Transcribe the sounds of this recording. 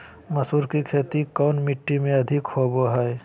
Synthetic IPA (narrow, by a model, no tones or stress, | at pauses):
mɐsuːɾkikʰeːt̪ikɔːnmɪʈːimẽɐd̪ʱɪkhoːboɦɛj